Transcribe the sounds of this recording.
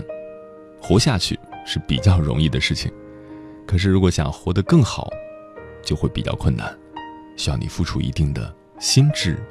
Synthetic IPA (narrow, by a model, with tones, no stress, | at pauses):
xwɔ˧˥ɕja˥˧t͡ɕʰy̰˥˩ʂɻ̩˥˩pḭ˨˩t͡ɕjɑ˥˩ʊɻʊ̰˧˥ŋi˥˩d̪ə˩ʂɻ̩˥˩t͡ɕʰḭ˨˩˦ŋ | kʰɤ˨˩ʂɻ̩˥˩ɻu˧˥kwɔ˧˥ɕjɑ̰˨˩ŋxwɔ˧˥d̪ə˧kɤ˥˩ŋxɑ˨˩˦ʊ | t͡ɕjo˥˧ʊxwe˥˩ɪpi˨˩t͡ɕjɑ̰˥˧ʊkʰwə˥˩na̰˨˩˦n | ɕy˥jɑ˥˩ʊni˨˩fu˥˩ʈ͡ʂʰṵ˥ḭ˧˥t̪i˥˩ŋd̪ə̰˩ | ɕi˥nʈ͡ʂɻ̩˥˩